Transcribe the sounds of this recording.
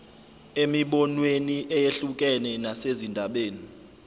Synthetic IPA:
emiɓɔnweniʔɛjeɬuk̬ʼɛnɛnasezindʱaɓeːni

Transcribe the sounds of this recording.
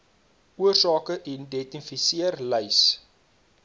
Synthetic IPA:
uərsɑːkəʔɛndɛtifisiərləjs

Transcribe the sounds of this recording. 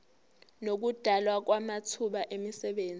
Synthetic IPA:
nok̬ud̥ʱalwak̬wamatʰuɓaʔemisɛɓeːnd͡zʱi

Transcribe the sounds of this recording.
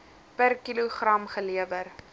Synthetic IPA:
pərkiluχrɐmχəliəvər

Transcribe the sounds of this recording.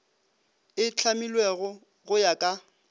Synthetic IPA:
ɪt͡ɬʰamilweɣʊ | ɣʊjakʼa

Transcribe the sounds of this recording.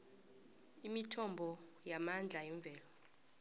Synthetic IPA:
imitʰɔmbʱɔ | jamand͡ɮʱajiɱvʱɛːlɔ

